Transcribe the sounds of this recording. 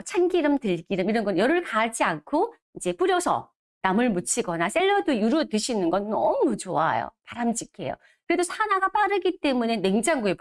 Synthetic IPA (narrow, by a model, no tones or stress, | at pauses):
t͡ɕʰanɡiɾɯmtɯɭɡiɾɯmiɾʌnɡʌnjʌɾɯɭkaɭt͡ɕ͈iankʰo | id͡ʑe̞p͈uɾjʌsʰʌ̰ | namɯɭmut͡ɕʰiɡʌnas͈e̞ɭːʌdojuɾudɯɕʰinɯnɡʌnːʌ̰mut͡ɕoa̰jo̰paɾamd͡ʑ͈ikʰe̞̰jo̰ | kɯɾe̞dosʰanaɡap͈aɾɯɡit͈e̞mune̞ne̞ŋd͡ʑaŋɡuep